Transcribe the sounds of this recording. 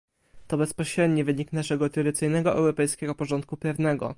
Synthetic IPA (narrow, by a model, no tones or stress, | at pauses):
t̪ɔbɛspɔɕɾɛd̪ɲɛvɘɲiknaʂɛɡɔt̪ɾɔd̪ɘt̪sɘjnɛɡɔʔɛ̰wɾɔpɛjskʲɛɡɔpɔʐɔnt̪̚kupʲɾɛvnɛɡɔ̰